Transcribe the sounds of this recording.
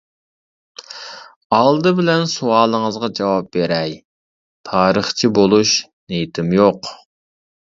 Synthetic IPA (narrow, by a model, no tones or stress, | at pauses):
ɑlˠd̪ɨbɪlɛnsuɑːlˠəŋəzʁɑd͡ʒɑwɑp̚beɾɛj | t̪ʰɑːɾəχt͡ʃʰibolˠuʃ | nejt̪ʰɪmjoq